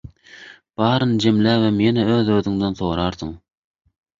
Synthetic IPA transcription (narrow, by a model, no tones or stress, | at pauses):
b̥ɑːɾɯnd͡ʒemlæːβɛmjenɛøːðøːðyŋd̪enθoːɾɑːɾθɯŋ